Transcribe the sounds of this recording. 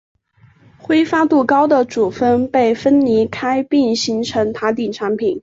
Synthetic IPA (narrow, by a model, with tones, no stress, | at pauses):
xwe˥ɪfa˥t̪u˥˩kɑ˥ʊd̪ə˨ʈ͡ʂu˨˩fə˥npe˥˩ɪfə˥nni˧˥kʰa˥ɪpi˥˩ŋɕi˧˥nʈ͡ʂʰɤ˧˥ŋt̪ʰa˧˥t̪̬i˥˩ʈ͡ʂʰa˧˥npʰi˨˩˦n